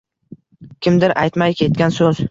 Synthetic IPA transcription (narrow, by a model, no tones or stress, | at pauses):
kʲɪmd̪ɪɾʔajt̪majkʲʰe̞t̪̚ɡʲansɵz̥